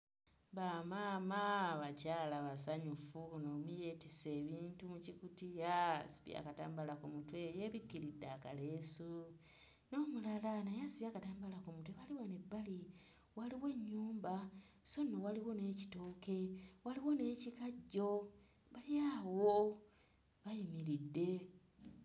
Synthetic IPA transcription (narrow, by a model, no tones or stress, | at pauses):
βamaːmaβacaːlaβasaɲufunoːmije̞tise̞ːβiːntumucikutijasi̥βja̰kata̰ːmbalakumutwejeβikːiɾidaka̰lesu | no̞ːmulalanajasiβjaːkataːmbalakumutweβaliwonebːali | waliwe̞ɲːuːmba | so̞nːowaliwone̞ːci̥toːke̞waliwo̞ne̞ːcikaɟːo | βalijaːwo | βajimiɾidːe̞